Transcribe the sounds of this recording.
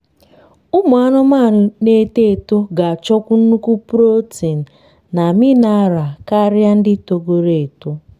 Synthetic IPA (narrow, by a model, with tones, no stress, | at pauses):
ʊ˦mʊ˨a˦nʊ˦ma˦˨nʊ˨ne˦te˦e˨to˦ɡa˨t͡ʃɔ˦kʷu˦n̩˦nu˦ku˦pu˦ɾo˦ti˨n̩˨ | na˨mɪ˦na˦ɾa˨ka˦ɾja˦n̩˦dɪ˦to˦ɡo˦ɾe˨e˨to˦